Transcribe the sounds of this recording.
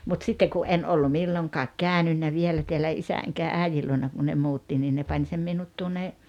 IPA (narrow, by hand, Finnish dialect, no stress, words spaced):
mut sitːeŋ ku ʔen olːu milːoŋkɑːk kæˑønynːæ ʋielæ teælæ isæ eŋkæ æˑijil luonɑ ku ne muːtːi niː ne pɑnʲ sem minut tuonːe